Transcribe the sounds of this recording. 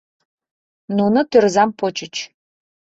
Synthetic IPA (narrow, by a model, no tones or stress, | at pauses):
nunŏt̪ørzɑmpot͡ɕət͡ɕ